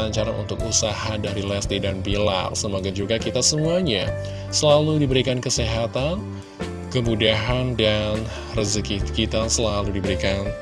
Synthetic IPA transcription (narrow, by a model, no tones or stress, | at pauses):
aɲt͡ʃaɾaʔṵnt̪ʊkusahadaɾilɛsdidanbila̰rsəmoɡad͡ʒuɡakit̪asəmuaɲa | səlaludibəɾikankəseɦat̪an | kəmudaɦandan | rəzəkikit̪asəlaludibəɾikan